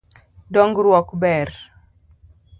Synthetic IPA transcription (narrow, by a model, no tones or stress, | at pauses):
dɔŋɡɾwɔkbɛr